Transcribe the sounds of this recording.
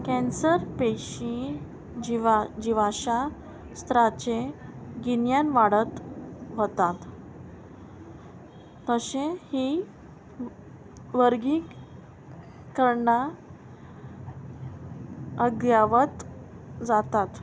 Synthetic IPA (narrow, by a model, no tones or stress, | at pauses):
kɛ̃nsəɾpeɕi | iʋd͡ʑiʋaɕa | st̪ɾat͡ɕeɡinjanʋaɽət̪ʋət̪at̪ | əɕẽhi | ʋəɾɡi | kəɾɳa | əɡjaʋət̪ | d͡zat̪at̪